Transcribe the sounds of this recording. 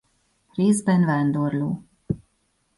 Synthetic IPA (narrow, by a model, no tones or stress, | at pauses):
reːzbɛnvaːnd̪orloː